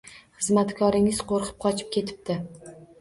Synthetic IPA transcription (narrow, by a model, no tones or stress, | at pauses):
χɨzmat̪kʰɒɾɪŋɪz̥qʰoɾqʰɨ̥p̚qʰɒt͡ʃʰɪ̥p̚kʲʰe̞t̪ʰɪ̥p̚d̪ɪ